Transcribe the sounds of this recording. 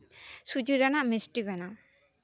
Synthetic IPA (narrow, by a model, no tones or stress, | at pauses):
sud͡ʒiɾanamisʈibana